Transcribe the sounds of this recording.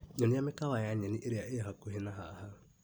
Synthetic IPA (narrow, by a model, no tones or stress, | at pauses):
ɲɔniamekawajaɲɛniʔeɾeaʔeaɦakoɦenaɦa̰ha